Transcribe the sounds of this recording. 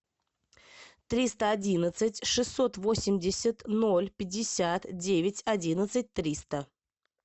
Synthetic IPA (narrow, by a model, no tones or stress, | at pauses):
t̪ɾʲist̪əɐdʲinət̪sɨtʲʂɨsːo̞t̪vo̞sʲɪmdʲɪsʲət̪nolʲpʲɪdʲːɪsʲat̪dʲevʲɪtʲɐdʲinət̪sɨt̚ʲt̪ɾʲist̪ə